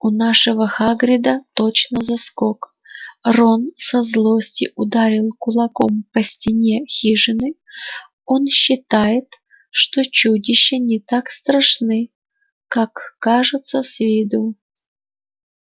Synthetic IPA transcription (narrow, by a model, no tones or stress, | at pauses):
ʊnaʂəvəxaɡɾʲɪd̪ət̪ot͡ɕnəzɐskok | ronsɐzlˠosʲtʲɪʔʊd̪aɾʲɪlˠkʊlˠɐkompəsʲtʲɪnʲexʲiʐɨnɨ | o̞nɕːɪt̪ajɪt̪ | ʂt̪ot͡ɕudʲɪɕːənʲɪt̪akst̪ɾɐʂnɨ | kakːaʐʊt̪səsʲvʲɪd̪u